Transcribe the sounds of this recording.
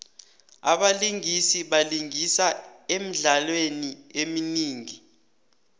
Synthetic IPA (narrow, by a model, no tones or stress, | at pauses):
a̰ɓaliŋisiɓaliŋisaem̩ɮalwenieminiːŋi